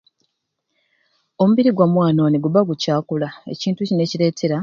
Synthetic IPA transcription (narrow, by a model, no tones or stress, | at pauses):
o̞muβiɾiɡwamwaːno̞niɡuβaɡucaːkulae̞̰ciːntucine̞ciɾe̞ːtʰe̞ɾa